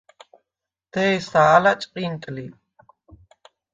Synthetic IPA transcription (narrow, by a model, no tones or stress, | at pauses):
t̪ejsaːlat͡ʃʼqʼint̪ʼli